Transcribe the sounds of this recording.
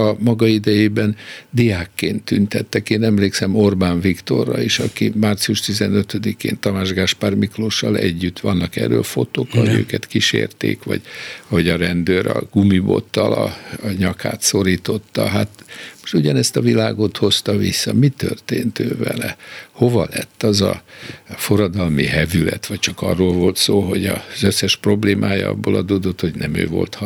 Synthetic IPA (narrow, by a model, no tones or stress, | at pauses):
ɒmɒɡɒid̪ɛjeːbɛnd̪ijaːkːeːnt̪ːynt̪ɛt̪ːɛkeːnɛmleːksɛmo̞rbaːɱvikt̪o̞̰rːɒiʃɒkimaːrt̪siuʃt̪izɛnøt̪ød̪ikḛːnt̪ɒmaːʒɡaːʃpaːrmikloːʃɒlɛɟːyt̪ːʋɒnːɒkɛrːøːfo̞t̪oːkɦoɟø̰ːkɛt̪kiʃḛːrt̪ḛːkʋɒ̰ɟ̥hoɟɒɾɛnd̪øːɾɒ̰ɡ̥umibo̞̰t̪ːɒlɒɲɒkʰaːt̪so̞ɾiːt̪o̞t̪ːɒɦat̪mo̥ʃt̪uɟɒnɛst̪ɒvilaːɡo̞t̪ho̞st̪ɒvisːɒmit̪ørt̪eːnt̪øːvɛlɛho̞vɒlɛt̪ːɒzɒ | fo̞ɾɒd̪ɒlmiɦɛvylɛt̪ʋɒct͡ʃɒkɒ̰rːoːlvo̞lt̪soːɦo̞ɟɒzøsːɛʃpro̞bleːmʔaːjɒ̰ɒ̰bːoːlɒd̪oːd̪ot̪ho̞ɟnɛmøːvo̞̰lt̪h